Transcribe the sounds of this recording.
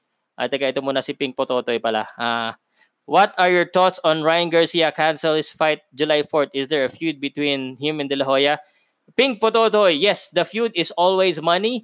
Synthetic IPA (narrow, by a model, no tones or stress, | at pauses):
ʔa̰t̪ɛɡɐʔɪt̪omuːnɐsɪpɪ̃ŋɡ̚pot̪oːt̪ojpɐla̰ʔa | wɐt̪ɐɹjɔɹt̪ɔt̪sɔ̃nɹajɐ̃ŋɡəɹsiɐkansɛlɪsfajt̪̚d͡ʒʊlajfɔɹt̪ɪsd̪ɛɹɐfjud̪̚bɪt̪wĩnhɪ̃mɛ̃nd̪ɐlɐɦojɐ | pɪ̃ŋk̚pot̪oːt̪ojːɛsd̪ɐfjud̪ɪsɔlwejsmɐni